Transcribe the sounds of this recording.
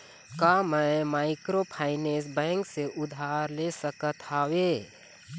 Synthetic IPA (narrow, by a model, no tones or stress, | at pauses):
kamɛ̃maːɪkɾopʰaːɪneːs̬bɛ̃ːŋkseʔʊd̪ʱaːɾlesəkət̪aːweː